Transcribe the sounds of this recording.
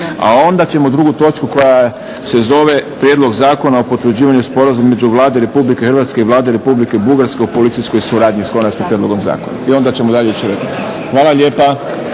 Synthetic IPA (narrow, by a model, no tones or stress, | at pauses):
a̰o̞nd̪at͡ʃe̞mo̞d̪ɾuɡut̪o̞ːt͡ʃkuko̞ja | se̞zo̞ʋe̞pɾjed̪lo̞ɡzaːko̞naopo̞t̪ʋɾ̩d͡ʑiːʋaɲuspo̞ɾazumemed͡ʒuʋlˠaːd̪eɾe̞publike̞xrɾʋat̪skeiʋlˠaːd̪eɾe̞publike̞buɡaɾskeupo̞lit̪sisko̞jsuɾaːd̪ɲisko̞nat͡ʃkimpɾjed̪loɡo̞mza̰ːkona̰io̞nd̪at͡ɕemod̪aʎeit͡ʃiɾeko | xʋaːlˠaʎeːpa